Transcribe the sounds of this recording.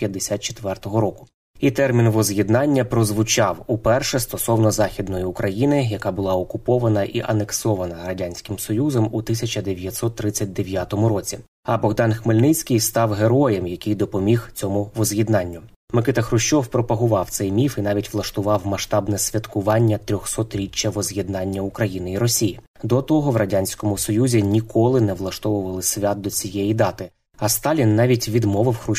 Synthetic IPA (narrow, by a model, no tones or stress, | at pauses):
jɐd̪esʲat̪̚t͡ʃe̥t̪ʋɛrt̪ɔɦɔɾɔkʊ̥ | it̪ɛrmʲinʋɔzʲjʲid̪nɑnʲːɐpɾɔzʋʊt͡ʃɑwupɛrʃɛst̪ɔsɔwnɔzɑxʲid̪nɔjiʊkɾɐjinɪjɐkɑbʊlˠɑɔkʊpɔʋɐnɐʔiʔɐneksɔʋɐnɐɾɐdʲanʲsʲkɪmsɔjuzɔmut̪ɪsʲɐt͡ʃɐd̪eʋʲjɐt̪ʲsɔt̪ːɾɪt͡sʲːɐt̚ʲd̪eʋʲjat̪ɔmʊɾɔt͡sʲi | ɐbɔɣd̪ɑnxmelʲnɪt͡sʲkʲɪjst̪ɑwɦe̞ɾɔjɛmjɐkʲɪjd̪ɔpɔmʲixt͡sʲɔmʊʋɔzjid̪nɑnʲːʊ | mɪkɪt̪ɐxɾʊʃt͡ʃɔwpɾɔpɐɦʊʋɑwt̪sɛjmʲifin̪ɑʋʲitʲʋlˠɐʃt̪ʊʋɑwmɐʃt̪ɑbnɛsʲʋʲɐt̪kʊʋɑnʲːɐt̪ɾʲɔxsɔt̪ɾʲit͡ʃːɐʋɔzʲjʲɛd̪nɑnʲːɐʊkɾɐjinɪiɾɔsʲiji | d̪ɔt̪ɔɦɔʋrɐdʲanʲsʲkɔmʊsɔjuzʲinʲikɔlˠɪnɛʋlˠɐʃt̪ɔʋʊʋɐlˠɪsʲʋʲat̪̚d̪ɔt͡sʲijɛjid̪ɑt̪ɪ | ɐst̪ɑlʲinːɑʋʲitʲʋʲid̪mɔʋɪwxɾʊ